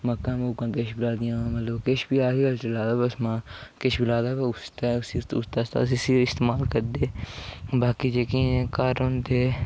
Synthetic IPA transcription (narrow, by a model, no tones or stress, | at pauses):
məkːãːmʊkãːkeʃbɪlaːd̪ɪjãːmət̪ləbkɪʃbiːaːɦiːɡəlt͡ʃəlaːd̪aːbəsmãːkɪʃbɪlaːd̪aːbʊst̪aʊsiʊst̪aːst̪a̰ːsisiɪst̪eːmaːlkəɾd̪eːbaːkiːd͡ʒeːkiːnekaɾõːnd̪eː